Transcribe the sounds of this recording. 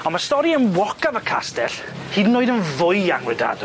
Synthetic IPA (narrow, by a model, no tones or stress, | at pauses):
ɔ̃nmastɔɾiənwɔkavəkʰa̰stɛɬ | hiːdnːoːɨdənvʊɨjaŋwɛda̰d̥